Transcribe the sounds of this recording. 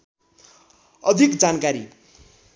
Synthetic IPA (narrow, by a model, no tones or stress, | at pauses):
ʌd̪ʱikd͡zankaɾi